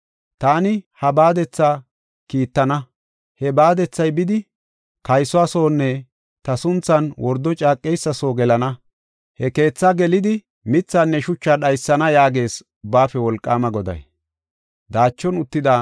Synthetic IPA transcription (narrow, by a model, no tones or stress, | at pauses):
t̪aːnɪhɐbaːd̪ɛt͡sːa | kiːt̪ːɐnɐ | hɛbaːd̪ɛt͡sːɐjbɪd̪ɪ | kɐjsɔaso̞ːnːɛ | t̪ɐsʊnt͡sːɐnwɔɾd̪ːɔt͡ʃʼaːkʼːɛjsːɐso̞ːɡɛlɐnɐ | hɛke̞ːt͡sːɐɡɛlɪd̪ɪ | mɪt͡sːanːɛʃʊt͡ʃːaɗɐjsːɐnɐjaːɡe̞ːs | ʊbːaːfɛwɔlkʼːaːmɐɡɔd̪ɐ̰j | d̪aːt͡ʃːɔnʊt̪ːɪd̪a